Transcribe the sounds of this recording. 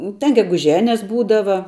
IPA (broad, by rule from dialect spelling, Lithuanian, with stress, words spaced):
tʲɛn ɡʲɛɡʊˈʒʲæːnʲɛs ˈbuːdɐʋɐ